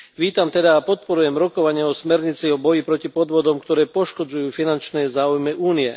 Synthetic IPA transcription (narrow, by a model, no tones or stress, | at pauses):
ʋiːt̪amt̪ɛd̪aːpɔt̪̚pɔɾujɛmɾɔkɔʋaɲɪɛɔsmɛɾɲit͡siɔbɔjipɾɔcipɔd̪ʋɔd̪ɔmkt̪ɔɾɛːpɔʃkɔd͡zujuːfinant͡ʃnɛːzaːujmɛʔuːniɛ